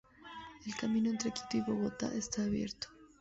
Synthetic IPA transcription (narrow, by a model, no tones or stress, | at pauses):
elkamĩnoe̞nt̪ɾeki̥t̪oiβo̞ɣo̞t̪a̰ʔest̪aːβje̞̰ɾt̪o̥